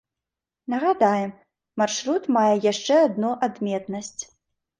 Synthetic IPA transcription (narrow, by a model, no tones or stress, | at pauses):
nɐɣad̪ajɛm | marʂɾut̪majɛjaʂt͡ʂɛad̪̚nuʔad̪mʲɛt̪nɐsʲt͡sʲ